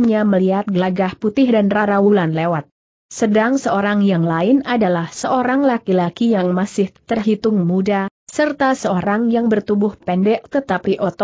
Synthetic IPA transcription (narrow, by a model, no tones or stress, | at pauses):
mɲaməliɦat̪̚ɡəlaɡahput̪ɪhdanraɾawulanlewat̪̚ | sədaŋsəoɾaŋjaŋlaɪnadalahsəoɾaŋlakilakijaŋmasɪht̪ərɦit̪ʊŋmudasərt̪asəoɾaŋjaŋbərt̪ubʊhpɛndɛʔt̪ət̪apiʔɔt̪ɔ